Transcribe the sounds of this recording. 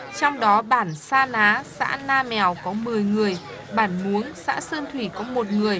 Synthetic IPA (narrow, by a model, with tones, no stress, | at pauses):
t͡ɕɔ˧wŋ͡mɗɔ˨˦ɓaː˧˩nsaː˧naː˨˦sa̰ː˧˥naː˧mɛ˨˩wkɔ˨˦mɨ˨˩əjŋɨ˨˩əj | ɓaː˧˩nmu˨˦əŋsa̰ː˧˥səː˧nt̪ʰwi˧˩kɔ˨˦mo˨˩t̚ŋɨ˨˩əj